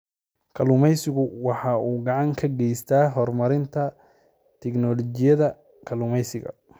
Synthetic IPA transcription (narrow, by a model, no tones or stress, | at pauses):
kʰɐlʊmɛjsɪɣʊwɑħɑːʔuːɡɑʕɑŋkʰɐɡɛjst̪ʰaːɦɔrmɐɾɪnt̪ʰɐ | t̪ʰɛɡnɔlɔt͡ʃɪjɐðɐ | kʰɐlʊmɛjsɪɣɐ̰